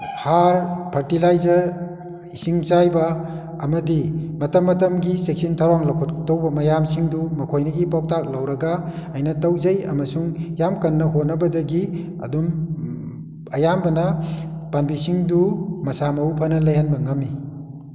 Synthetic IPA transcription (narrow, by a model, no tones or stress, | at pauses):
haɾpʰɐɾtilajzɐɾ | isiŋt͡ʃajbɐː | mɐdimɐtɐmːɐtɐmɡisek̚sintʰawɾaŋlɐkʰuttowbɐmɐjamsiŋdumɐkʰojnɐɡipɔk̚tak̚lawɾɐɡaɐjnɐtɐwzɐjɐmɐsuŋjamkɐnːɐɦot̚nɐbɐdɐɡi | ɐ̰dum | ɐjambɐnɐpanbisiŋdumɐsamɐupʰɐnɐlɐjɦanbɐŋɐmːi